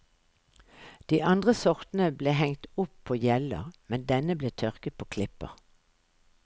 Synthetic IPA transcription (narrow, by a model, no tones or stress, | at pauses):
d̪̥iːʔɑnd̪ʁəsɔʁt̪n̩əbleːhɛŋt̪ʊpʰːoːjɛlə̰ʁmɛnd̪ɛnəbleːt̪ʰœʁkət̪̚pʰoːkʰlɪpə̰ʁ